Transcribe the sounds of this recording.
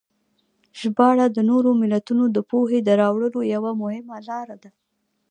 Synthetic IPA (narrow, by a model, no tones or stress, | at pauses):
ʒ̥bɑɽad̪ənoɾomɪlat̪unod̪əpoɦed̪əɾɑwɽəlojawamʊhɪmalɑɾad̪a